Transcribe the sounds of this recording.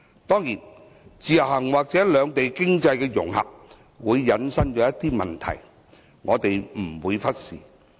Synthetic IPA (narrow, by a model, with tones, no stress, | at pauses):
t̪ɔː˥ŋjiː˨˩n | t͡siː˨jɐ˨˩ɦɐ˨˩ŋwaː˨˩k̚t͡sɛː˨˥lœː˨˧ŋt̪e˨jkɪ˥ŋt͡sɐ˧jkɛː˧jʊ̰˨˩ŋhɐ̰˨p̚ | wuː˨˧jːɐ˨nsɐ˥ŋt͡ʃɔː˨˧˥jɐ˥t̪iː˥mɐ˨nt̪ʰɐ̰˨˩j | ŋɔː˨˧t̪e˨jm̩˨˩wuː˨˧jfɐ˥t̚sḭː˨˩